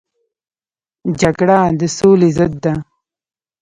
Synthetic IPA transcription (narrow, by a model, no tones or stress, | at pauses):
d͡ʒaɡɽad̪əsoːlizəd̪ːa